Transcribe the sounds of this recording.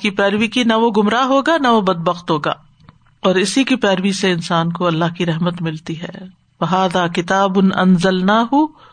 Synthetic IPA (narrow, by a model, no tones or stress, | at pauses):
kipɛːɾʋikinɐʋoɡʊmɾaɦoːɡanɐʋobɐd̪̚bɐxt̪ɦoːɡa̰ː | ɔːɾɪsikipɛːɾʋiseɪnsaːnkoɐlːaːɦkiɾɛɦmət̪mɪlt̪iɦɛ̰ː | ʋɐɦaːðaːkɪt̪aːbʊnɐ̰nzɐlnaːɦʊ